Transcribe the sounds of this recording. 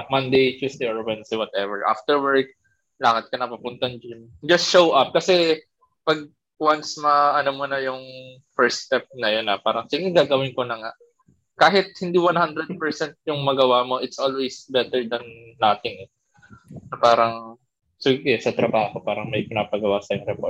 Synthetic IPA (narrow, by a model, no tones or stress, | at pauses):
ɐmɐnd̪ejt̪ɪsd̪ejoɹwɛnsewɐt̪ɛvɛɹʔa̰ft̪ɛɹwɛɹk̚ | laːhɐt̪̚kɐnɐpɐpʊnt̪ɐnd͡ʒɪn | d͡ʒɐst̪ʃowʔɐp̚kɐsɛ | pɐɡ̚ | wansmɐʔɐnomunɐjʊŋ | fɛɹst̪ɛp̚nɐjonɐpaːɾɐŋsɪŋɪɡaːɡɐwɪnkonɐŋaʔ | kaːɦɪt̪̚hɪnd̪iwanhand̪ɾɛd̪̚pɛɹsɛnt̪̚jʊŋmɐɡɐwamo̞ʔɪt̪sʔolwejsbɛt̪ɛɹd̪ɐnːat̪ɪŋɛ | nɐpaːɾɐŋ | sɪɡɪkɛsɐt̪ɾɐbaːho̞paːɾɐŋmɐjpɪnapɐɡɐwaːsɐjʊŋɾɛpo